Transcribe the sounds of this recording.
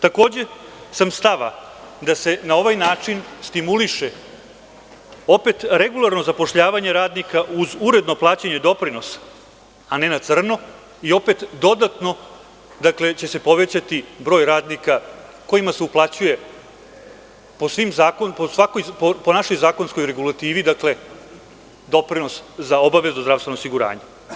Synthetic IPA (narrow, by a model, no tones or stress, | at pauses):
t̪ako̞ːd͡ʑe̞samst̪aʋa̰d̪ase̞nao̞ʋajnaːt͡ʂinst̪imuliʃe | o̞pe̞t̪ɾe̞ɡulˠaɾno̞zapo̞ʃʎaːʋaɲeɾaːd̪nikaʔuzuɾe̞d̪no̞plˠaːt͡ɕeɲe̞d̪o̞pɾino̞sḁ | ane̞nat̪sr̩no | io̞pet̪d̪o̞d̪at̪no̞ | d̪akle̞t͡ɕe̞se̞po̞ʋet͡ɕat̪ibɾo̞jɾaːd̪nika | ko̞imaseuplˠat͡ɕuje̞ | po̞sʋimzaːkonposʋako̞jpopo̞naʃo̞jzaːko̞nskojɾe̞ɡulˠat̪iːʋid̪akle̞ | d̪o̞pɾino̞szao̞baʋe̞zuzd̪ɾavst̪enoosiɡuɾa̰ːɲe